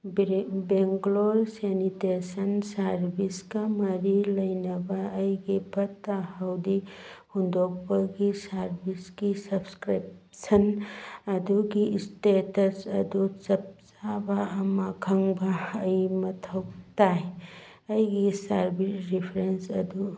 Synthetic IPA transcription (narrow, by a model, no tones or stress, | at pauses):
beŋɡloɾsenitesɐnsɐɾbʱiskamɐɾilɐjnɐbaːjɡipɐt̪ahawd̪ihund̪ok̚baɡisɐɾbʱiskisɐbskɾipsɐnɐd̪uɡistetɐsɐd̪ut͡ʃɐp̚t͡ʃabaɐmakʰɐŋbaːjmɐt̪ʰɐwt̪aj | ɐjɡisɐɾbʱisɾipʰɾensɐd̪u